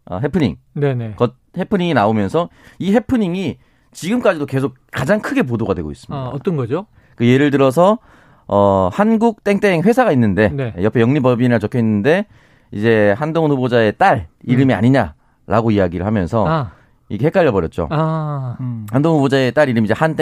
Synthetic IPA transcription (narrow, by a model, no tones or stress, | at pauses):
ʌ̰ɦepʰɯɲiŋnenekʌt̚ | he̞pʰɯɲiŋinaomjʌnsʰʌ | ihe̞pʰɯɲiŋi | t͡ɕiɡɯmk͈ad͡ʑidoke̞sʰok̚kad͡ʑaŋkʰɯɡe̞p̬odoɡadwe̞ɡo̰is͈ɯmɲidaʌt͈ʌnɡʌd͡ʑo | kɯje̞ɾɯɭtɯɾʌs̬ʰʌ | ʌhanɡuk̚t͈e̞ŋt͈eŋɸwe̞sʰaɡainːɯnde̞nḛjʌpʰe̞jʌŋɲibʌbinat͡ɕokʰjʌinːɯnde̞ | ḭd͡ʑe̞handoŋnɸubod͡ʑae̞t͈aɾiɾɯmia̰ɲiɲa | ɾa̰ɡoiaɡiɾɯɭhamjʌnsʰʌ | iɡehe̞k͈aʎːʌbʌɾjʌt̚t͡ɕ͈o̰a | handoŋnhubod͡ʑaet͈aɾiɾɯmid͡ʑehant͈e